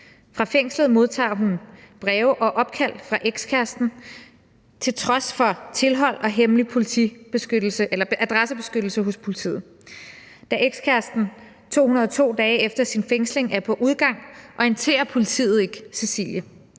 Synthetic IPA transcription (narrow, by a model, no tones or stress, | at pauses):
fʁɑ̈feŋ̰sləð̞̩ˠmo̝ð̞ˠt͡sʰɑ̰̈ːɦunb̥ʁɛːʊʔɒ̽ʔɒ̽b̥̚kʰæl̰fʁɑ̈ʔeɡ̥skʰæɐsd̥n̩ | t͡sʰe̝lt͡sʰʁɒ̽sfɒ̽t͡sʰe̝lɦɒ̽l̰ɒ̽ɦemlipʰo̝lit͡sʰḭb̥e̝sɡ̥ød̥l̩səʔelɐ̥ʔæd̥ʁasəb̥e̝sɡ̥ød̥l̩səɦɔspʰo̝lit͡sʰḭːð̩ˠ | d̥æʔeɡ̥skʰæɐsd̥n̩ | t͡sʰo̝̰ːhunɐð̞ˠɒ̽t͡sʰo̝̰ːd̥ɛːefd̥ɐsinfeŋ̰sle̝ŋæɐpʰɒ̽ʔuð̞ˠɡ̥ɑ̈ŋ̰ʔɒ̽ent͡sʰe̝̰ːɐpʰo̝lit͡sʰḭːð̩ˠe̝ɡ̥se̝sḭːljə